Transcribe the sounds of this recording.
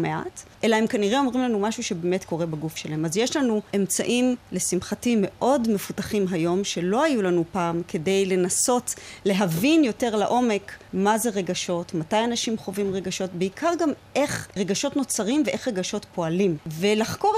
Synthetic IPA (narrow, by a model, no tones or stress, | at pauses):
meʔa̰tʔe̞lahemkaniʁeo̞mʁimlanumaʃuʃebemetko̞ʁe̞baɡufʃelaɦe̞mazje̞ʃlanue̞mt͡saʔimle̞simχatime̞ʔo̞dme̞futaχimɦajo̞mʃe̞lo̞ajulanupaːmke̞de̞jle̞naso̞tle̞ɦavinjo̞te̞ʁlaʔo̞me̞kmaze̞ʁe̞ɡaʃo̞tmatajanaʃimχo̞vimʁeɡaʃo̞tbeikʰaʁɡamʔe̞χʁeɡaʃo̞tno̞t͡saʁimveʔe̞χʁe̞ɡaʃo̞tpo̞alimve̞laχko̞